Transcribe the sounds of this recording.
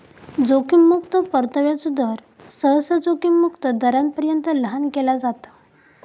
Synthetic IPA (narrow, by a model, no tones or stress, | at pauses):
d͡zokimːukt̪əpəɾt̪əʋjat͡sud̪ʱəɾ | səɦsəd͡zokimːukt̪əd̪əɾãn̚pəɾjənt̪ələɦankelad͡zat̪ḁ